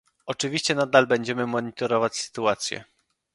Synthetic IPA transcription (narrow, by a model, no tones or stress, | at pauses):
ɔt͡ʂɘvʲiɕt͡ɕɛnad̪albɛɲd͡ʑɛmɘmɔɲit̪ɔɾɔvat͡ɕsɘ̥t̪uat̪sʲjɛ̰